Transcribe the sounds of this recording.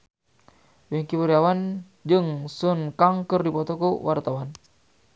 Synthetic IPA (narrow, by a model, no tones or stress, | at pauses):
wɛŋkibəɾiawan | d͡ʒɨŋsunkaŋkɨrdipɔt̪ɔkuwʔart̪awan